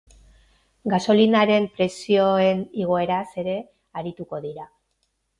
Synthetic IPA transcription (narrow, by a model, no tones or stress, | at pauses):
ɡaso̞linaɾe̞mpɾe̞sio̞e̞niɣ̞o̞e̞ɾase̞ɾe̞ | aɾit̪uko̞ðiɾa